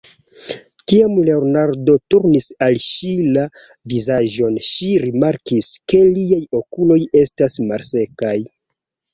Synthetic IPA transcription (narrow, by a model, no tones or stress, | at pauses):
kiamle̞onaɾdo̞tuɾnisalʃila | vizaʒo̞nʃiɾimaɾkiske̞liajo̞kulo̞je̞stasmalse̞kaj